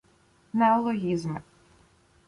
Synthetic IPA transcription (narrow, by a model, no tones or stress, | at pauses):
nɛɔlˠɔɦʲizmɪ